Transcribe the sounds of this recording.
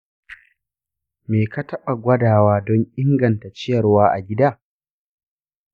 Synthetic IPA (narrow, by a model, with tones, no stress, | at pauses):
meː˨ka˦tɐ˦ɓa˨ɡʷɐ˦daː˨waː˦dɔ˦ŋʔɪ˦ŋɡɐ˨nta˨t͡ʃɪ˦jɐ˨rwaː˦ʔa̰˨ɡʲɪ˦daː˦˨